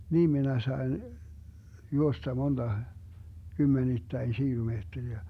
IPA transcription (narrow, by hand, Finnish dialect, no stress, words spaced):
niːm minæ sɑi̯n juostɑ mond̥ɑ kymːenitːæin ʃiːlumeːtːeriæ